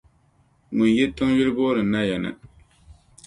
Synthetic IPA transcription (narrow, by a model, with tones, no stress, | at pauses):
ŋʊ˨njɛ˦tʊ˦ŋjɪ˦lɨ˦boː˦ɾɨ˨na˦jɛ˨nɨ̰˨